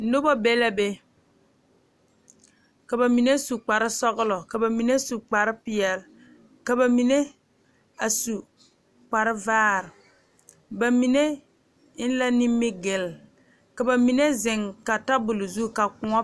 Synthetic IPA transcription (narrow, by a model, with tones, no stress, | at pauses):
n̩˦nʊ˦bɔ˦be˦la˦be˦ | ka˨ba˨mi˨ne˦su˨k͡pa˨ɾɪ˦sɔ˦ɣʊ˦lɔ˨ka˨ba˨mi˨ne˦su˨k͡pa˨ɾɪ˦pɪ˨jɛ˨l | ka˨ba˨mi˨ne˦ | a˨su˨ | k͡pa˨ɾɪ˦vaː˦ɾɪ˨ | ba˨mi˨ne˦ | ɪ˦n˦la˦ni˦mːɪ˦ɡɪ˨l | ka˨ba˨mi˨ne˦zɪ˨ŋka˨ta˦bʊ˨lʊ˨zu˦˨ka˨kʊ˨ŋɔ˦